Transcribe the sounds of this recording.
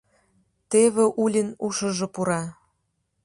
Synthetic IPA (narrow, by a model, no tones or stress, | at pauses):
t̪eβeʔulʲinuʃɤ̆ʒŏpuɾɑ